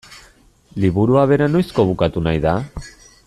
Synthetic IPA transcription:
liβuɾuaβe̞ɾano̞jsko̞β̞ukat̪unajða

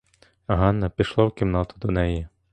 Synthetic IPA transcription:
ɦɑnːɐpʲiʃlˠɔwkʲimnɑt̪ʊd̪ɔnɛjɪ

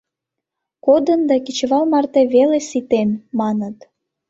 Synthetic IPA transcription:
kod̪ənd̪ɑkit͡ɕβɑlmɑrt̪eβelesit̪enmɑnət̪

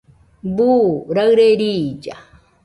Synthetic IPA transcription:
buɾaɣɾeɾiːd͡ʒa

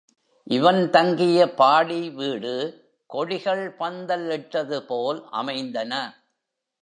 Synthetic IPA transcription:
ʔɪʋɐnt̪ɐŋɡɪjɐpaːɽiʋiːɽɯ | kɔɻɪɣɐɭpɐnd̪ɐlɪʈːɐðɯpoːlʔɐ̰mɐɪnd̪ɐnɐ

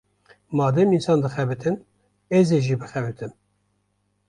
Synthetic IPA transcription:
mɑːd̪ɛminsɑːnd̪ɨxɛbɨt̪ʰɨn | ɛzeʒiːbɨxɛbɨt̪ʰɨm

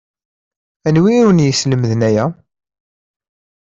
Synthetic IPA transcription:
ænwiɾunjəsləmðnæjæ

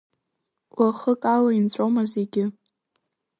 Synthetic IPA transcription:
waχəkʼalaint͡sʷʼomazeɡʲɪ

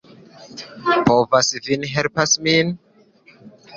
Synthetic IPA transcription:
povasvinɦɛlpasmin

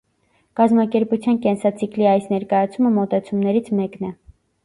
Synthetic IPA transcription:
kɑzmɑkɛɾput͡sʰjɑnkɛnsɑt͡sʰikliɑjsnɛɾkɑjɑt͡sʰuməmɔt̪ɛt͡sʰumnɛɾit͡sʰmɛknɛ

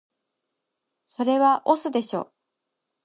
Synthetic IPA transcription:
so̞ɾe̞βaʔosɨd̪e̞ɕo̞̰ː

